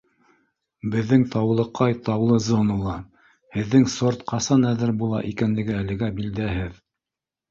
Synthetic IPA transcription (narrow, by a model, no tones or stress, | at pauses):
bɘ̆ðːɘŋt̪ʰɑwlˠɤ̆qɑjt̪ɑwlˠɤzonulˠɑ | hɘ̆ðːɘŋsoɾt̪qɑsɑnæðɘɾbulˠɑ̰ʔikænlɘ̆ɡɘælɘ̆ɡæbild̪æɦɘð